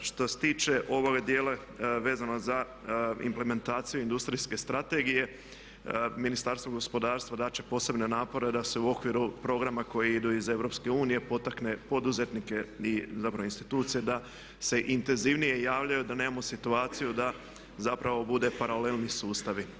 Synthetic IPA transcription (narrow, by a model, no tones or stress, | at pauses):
ʃt̪oset̪iːt͡ʃe̞ʔo̞ʋo̞ɡad̪jeːla | ʋe̞ːzanoza | ḭmple̞me̞nt̪aːt̪sijuind̪ust̪ɾiske̞st̪ɾat̪e̞ɡije̞ | minist̪aɾst̪ʋo̞ɡo̞spo̞d̪aːɾst̪ʋad̪at͡ʃe̞̥po̞ːse̞bne̞naːpo̞ɾe̞d̪aseuo̞kʋiɾupɾo̞ɡɾamako̞jiid̪uize̞ʋɾo̞pske̞uːnije̞po̞t̪akne̞po̞d̪uze̞t̪nike̞izapɾaʋoinst̪it̪uːt̪sije̞d̪a | se̞ʔint̪e̞nziʋnije̞jaːʋʎajud̪ane̞ːmamo̞sit̪uaːt̪sijud̪a | zapɾʔaʋo̞bud̪e̞paɾale̞lˠnisuːst̪aʋi